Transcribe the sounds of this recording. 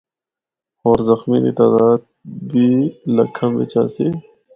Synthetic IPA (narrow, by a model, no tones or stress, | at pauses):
oːɾzɐxminḭt̪aːd̪aːd̪̚ | bilɐkʰːə̃mbḛt͡ɕa̰ːseː